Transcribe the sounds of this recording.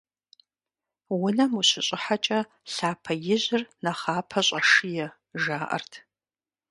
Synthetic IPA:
wʊnɐmuɕɪɕʼɪħat͡ʃʼɐ | ɬaːpʰɐjɪʑɪrnɐχaːpʰɐɕʼɐʂɨjɛ | ʒaːʔɐ̰rtʰ

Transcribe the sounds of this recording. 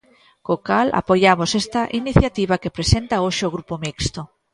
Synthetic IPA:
kokala̰poʎamosest̪aʔiniθjat̪iβakepɾesent̪aoʃeoɣ̞ɾupomikst̪o

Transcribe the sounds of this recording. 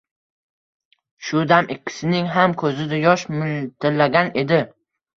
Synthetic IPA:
ʃʊd̪amɪkʲʰːɪ̥sɪnɪŋɦamkʰɵzɪd̪ajɒʃmʊlt̪ʰɪlːaɡʲane̞d̪ɪ

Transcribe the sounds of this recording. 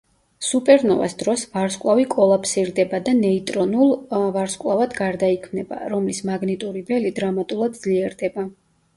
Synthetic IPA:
supʼɛɾnɔva̰sd̪ɾɔsvaɾskʼlˠavikʼɔlˠapʰsiɾd̪ɛbad̪anɛit̪ʼɾɔnulˠvaɾskʼlˠavad̪ɡaɾd̪aikʰmnɛba̰ɾɔmlismaɡnit̪ʼuɾibɛlid̪ɾamat̪ʼulˠad̪d̪zliɛɾd̪ɛba

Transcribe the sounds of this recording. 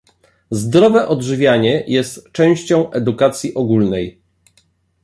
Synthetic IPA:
zd̪ɾɔvɛʔɔdʐɘvʲjaɲɛjɛst̪t͡ʂɛ̃w̃ɕt͡ɕɔ̃w̃ʔɛd̪ukat̪sʲjiʔɔɡulnɛj

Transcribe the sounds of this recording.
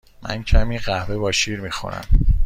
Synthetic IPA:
mæ̰ncʰæmiːɢæhvebɒːʃiːɾmiːxo̰næ̰m

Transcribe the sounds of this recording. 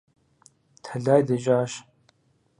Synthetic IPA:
t̪ʰɐɮaːjd̪ɨʒaːʃ

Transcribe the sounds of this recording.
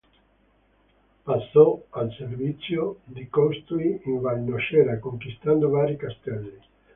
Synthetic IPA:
pasːɔalservit̪sjod̪ikɔst̪uiiɱvalnoʃɛːɾakoŋkist̪and̪ovaːɾikast̪ɛlːi

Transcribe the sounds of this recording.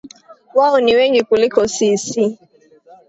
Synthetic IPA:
waɔniweŋɡikulɪkɔsisi

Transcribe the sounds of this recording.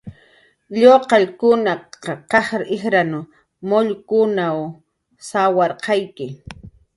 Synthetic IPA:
ʎoqɑʎkʊnaqɑqɑχɾʔɪxɾanʊ | moʎkʊnaw | sawɑɾqɑjkɪ

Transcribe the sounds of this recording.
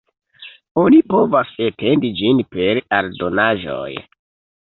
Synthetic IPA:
onipo̞vasetʰe̞ndid͡ʒinpe̞ɾaɾdo̞naʒo̞̰j

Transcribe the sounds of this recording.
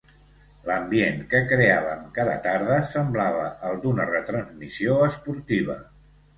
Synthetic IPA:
ləmbieŋkəkɾeaβəmkaðə̰t̪aɾðəsəmblaβəəlˠd̪unərət̪ɾənzmisioəspuɾt̪iβ̞ə̰

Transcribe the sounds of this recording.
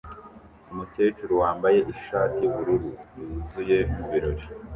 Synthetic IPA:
umuce̞ːt͡ʃuɾuwaːmbaje̞ʔiʃaːtiβuɾuɾujuzuje̞muβiɾo̞ɾi

